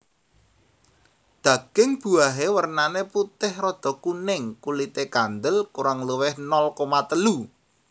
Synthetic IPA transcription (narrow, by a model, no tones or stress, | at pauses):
d̪̥ä̤ɡ̥ɪŋb̥ṳaɦewərnaneput̪ɪhrɔd̪̥ɔ̤kunɪŋkulit̪ekand̪əlkuɾaŋləwɪhnɔlkomat̪əlu